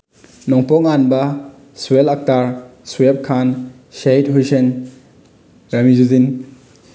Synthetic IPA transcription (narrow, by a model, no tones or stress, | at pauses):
nɔŋpɔŋanbɐ | suwelak̚taɾsuwep̚kʰan | sejtɦujsen | ɾɐmizuzin